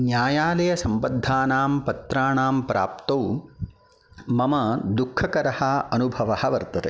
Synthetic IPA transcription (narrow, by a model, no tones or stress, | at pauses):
njaːjaːlɐjɐsɐmbɐd̪ʱːaːnaːmpɐt̪ɾaːɳaːmpɾaːpt̪ɐw | mɐmɐd̪ukʰːɐkɐɾɐhɐɐnubʱɐʋɐhɐ̆ʋɐɾt̪ɐt̪e